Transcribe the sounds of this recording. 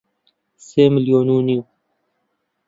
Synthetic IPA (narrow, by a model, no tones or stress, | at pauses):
seːmiljoːnuːniu